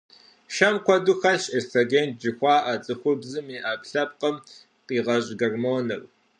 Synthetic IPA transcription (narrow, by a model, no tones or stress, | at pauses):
ʃɐmkʷʰɔduxɐɬestʰɐɡeːnd͡ʒɪxʷɑːʔat͡sʼɨxʷʊbzɨmiːʔapɬɐp̚qʼəm | qʼiːʁɐɕʼɡɐrmoːnɨr